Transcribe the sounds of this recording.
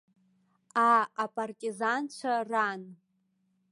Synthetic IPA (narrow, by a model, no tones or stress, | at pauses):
aapʼartʼizant͡ɕʷʰaran